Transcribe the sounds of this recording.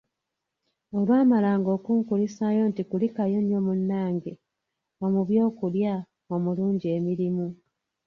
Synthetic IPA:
olwaːmalaːŋɡo̞ːkuŋkulisajo̞ntikulikajo̞nijo̞munːaːŋɡe | omuβjo̞ːkulja | omuluːɲɟie̞miɾimu

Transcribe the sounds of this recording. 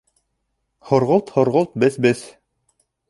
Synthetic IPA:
hŏɾʁɤlˠt̪hŏɾʁɤlˠt̪̚bɘθbɘθ

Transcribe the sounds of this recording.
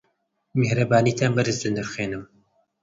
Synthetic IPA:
mehɾɐbaːniːt̪ʰaːnbɐɾɨzd̪ɨnd̪ɨɾxweːnɨm

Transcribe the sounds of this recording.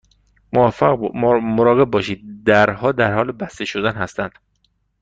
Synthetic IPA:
mof | moɾɒːɣe̞b̚ːɒːʃiːd̪̚d̪æɾɦɒːd̪æɾhɒːlebæst̪e̞ʃod̪ænhæst̪ænd̪̥

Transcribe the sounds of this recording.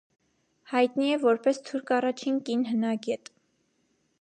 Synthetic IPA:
hɑjt̪niɛvɔɾpɛst̪ʰuɾkʰɑrɑt͡ʃʰinkinɦənɑɡɛt̪

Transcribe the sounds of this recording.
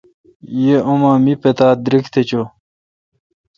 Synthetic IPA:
jeomãːmipet̪aːd̪ɾikt̪ʰet͡ɕo

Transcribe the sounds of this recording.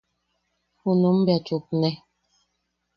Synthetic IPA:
unum̩bjatuk̚nɛ

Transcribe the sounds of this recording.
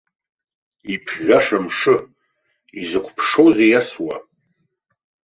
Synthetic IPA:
ipʰʒʷᶣaʂamʂɨ | izɨkʷʰpʰʂowzejaswa̰

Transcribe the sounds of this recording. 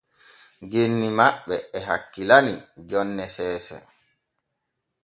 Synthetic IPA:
ɡenːimaɓːɛɛɦakːilanid͡ʒɔnːɛsɛːsɛ̰

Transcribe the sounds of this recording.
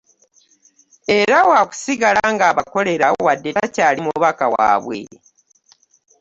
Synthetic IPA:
e̞ɾawaku̥siɡalaŋɡaːβako̞le̞ɾawadːetacaːlimuβakawa̰βwḛ

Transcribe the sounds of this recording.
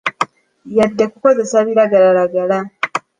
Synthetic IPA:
jadːakuko̞ze̞saβiɾaɡalalaɡala

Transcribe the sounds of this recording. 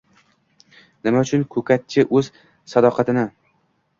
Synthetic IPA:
nɪmaʊt͡ʃʰʊnkʰɵkʰʲat̪̚t͡ʃʰɪʔɵz̥ | sad̪ɒqʰɑt̪ɪnɪ

